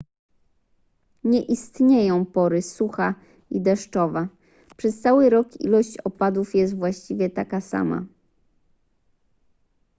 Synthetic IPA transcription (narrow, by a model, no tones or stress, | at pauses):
ɲɛʔist̪ɲejɔ̃w̃pɔɾɘsuxa | id̪ɛʂt͡ʂɔva | pʂɛst̪sawɘɾɔkḭlɔɕt͡ɕɔpad̪ufjɛs̬t̪vwaɕt͡ɕivʲjɛt̪akasa̰ma̰